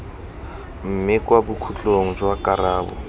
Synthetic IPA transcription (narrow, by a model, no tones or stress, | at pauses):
m̩mɪkʼwabukʰut͡ɬʼoŋ̩d͡ʒwakʼaɾaːbʊ̰